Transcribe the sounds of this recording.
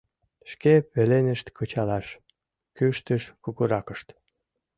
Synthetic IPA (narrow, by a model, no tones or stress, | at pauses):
ʃkepelenə̆ʃt̪kʰɤt͡ɕɑlɑʃ | kyʃt̪əʃkuɣuɾɑkəʃt̪